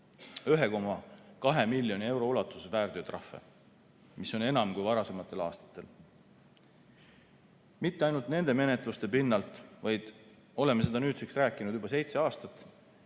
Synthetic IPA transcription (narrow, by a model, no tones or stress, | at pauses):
yɦe̞ko̞mɑkɑɦemilʲːjo̞nie̞wɾo̞ulɑt̪ːˑu̥sevæːrd̪yt̪rɑfːḛ | miso̞ne̞nɑmkujvɑɾɑse̞mɑt̪ːˑe̞lɑ̰ːst̪ɑ̥t̪ːˑe̞l | mit̪ˑːeɑjnult̪ne̞nd̪̥e̞me̞ne̞t̪ˑlust̪e̞pinːɑlt̪ˑvɑjd̪̥ | o̞le̞me̞se̞d̪ɑnyːt̪siksræːkːˑinud̪̥ubɑse̞jt̪se̞ɑːst̪ɑt̪ːˑ